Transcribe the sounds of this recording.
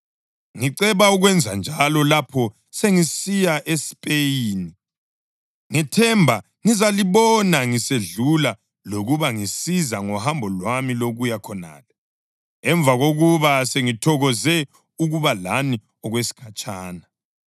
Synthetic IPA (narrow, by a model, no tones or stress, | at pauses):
ŋiǀɛβauɣwɛnd͡zʱand͡ʒʱalɔlapʰɔ | seŋisijaʔespʼejiːni | ŋitʰɛmbʱa | ŋizaliβɔnaŋiseɮula | loɣuβaŋisizaŋɔhambʱɔlwamiloɣujakʰɔna̰ːlɛ | ɛɱvʱaɣoɣuβaseŋitʰɔɣɔzɛ | uɣuβalani | ɔɣwesi̥kʰat͡ʃʼaːna